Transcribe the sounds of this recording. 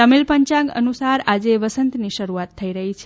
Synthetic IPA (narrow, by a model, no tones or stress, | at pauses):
əmilpəɲt͡ʃãɡə̰nusaɾad͡ʒeʋəsənt̪niʃəɾuat̪ʰːəiɾəɦit͡ʃʰe